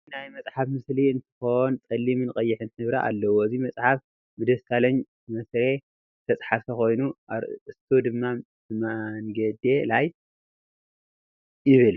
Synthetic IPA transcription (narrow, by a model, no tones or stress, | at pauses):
najmɐt͡sʼħafmɨsliɨnt̪ʰɨ̥xo̞nt͡sʼɐlːimɨnkʼɐjːɪħɨnt̪ʰɨβɾaʔa̰lːɐwoɨzimɐt͡sʼħaf | bɨd̪ɐst̪ʰalɐɲ | mɐsɾe̞ | ɨt̪ʰɐt͡sʼħaft̪ʰɐxo̞jnuɾɨst̪ʰod̪ɨmːa | maŋɡɐd̪elaj | jɪβɨl